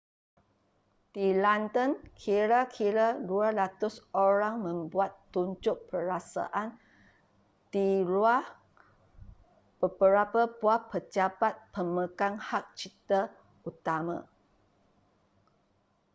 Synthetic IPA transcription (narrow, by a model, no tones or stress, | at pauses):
d̪ilant̪ənkʰiɾakʰiɾadualat̪ʊsoɾaŋmə̃mbuat̪ːuɲd͡ʒʊʔ̚pəɾasa̰ʔan | t̪iluah | b̥əbəɾapabuapət͡ʃapat̪̚pəməkaŋhak̚t͡ʃit̪a | ut̪amã̰